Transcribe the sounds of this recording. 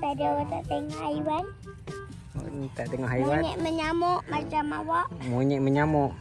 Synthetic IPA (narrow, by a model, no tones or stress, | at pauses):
t̪adaat̪aʔt̪əŋɔhajwan | o̰nt̪aʔt̪əŋɔɦajwaɲɪʔməɲamʊʔmat͡ʃamawaʔmuɲɪʔməɲamʊʔ